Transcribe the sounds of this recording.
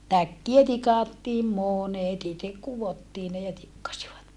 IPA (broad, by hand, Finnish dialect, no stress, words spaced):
tækːiæ tikɑˑtːiːm monet itek kuʋotːiː ne jɑ tikːɑsiʋɑt